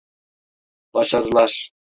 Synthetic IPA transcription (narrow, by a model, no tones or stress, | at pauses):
b̥aʃaɾɯlˠaɾ